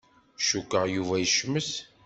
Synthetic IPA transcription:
ʃukːəʁjuvæjəʃməs

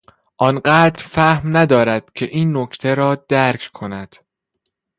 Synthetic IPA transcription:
ʔɒnɢæːd̪ɾfæhmnæd̪ɒːɾæd̪̥̚cʰe̞ʔiːnːocʰt̪ʰeɾɒːd̪̥æɾkʰkʰo̞næd̪̥

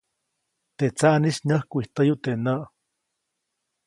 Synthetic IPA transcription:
t̪eʔt͡saʔnisnəhkuiht̪əjut̪enəʔ

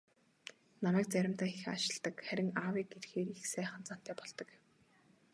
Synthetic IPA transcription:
namæːk̚t͡sæɾʲɪ̆mt̪aːixa̰ʃɪ̆ɮt̪ə̆kχæɾʲɪ̆ŋaːwiːk̚ɡerxeːɾixsæːχə̆nt͡san̥t̪ʰæːpɔɮt̪ɞ̆k

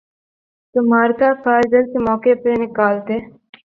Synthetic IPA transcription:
t̪ʊmaːɾkafʰaːɾd̪əlkemɔːkepenɪkaːlt̪eː

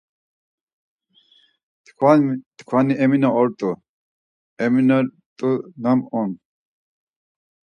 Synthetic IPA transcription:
kʰwat̪kʰwaniʔɛminaɔɾt̪ʼu | ɛmina | t̪ʼunamɔn

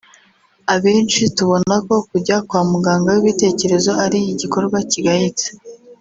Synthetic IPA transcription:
aβe̞ːnt͡ʃituβo̞nako̞kuɟakwaːmuɡaːŋɡawiβite̞ːce̞ɾe̞zo̞aɾiiɟiko̞ɾɡwaciɡahit͡se̥

